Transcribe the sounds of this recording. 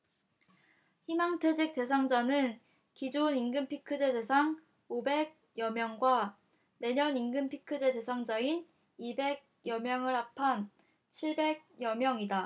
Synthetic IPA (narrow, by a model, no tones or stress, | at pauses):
çimaŋtʰe̞d͡ʑek̚t͈e̞s̬ʰaŋd͡ʑanɯn | kid͡ʑuniŋɡɯmpʰikʰɯd͡ʑe̞de̞sʰaŋ | obe̞ɡ̚ | jʌmjʌŋɡwa | ne̞ɲʌniŋɡɯnpʰikʰɯd͡ʑe̞de̞sʰaŋd͡ʑain | ibe̞ɡ̚jʌmjʌŋɯɭɦapʰan | t͡ɕʰiɭbe̞ɡ̚jʌmjʌŋida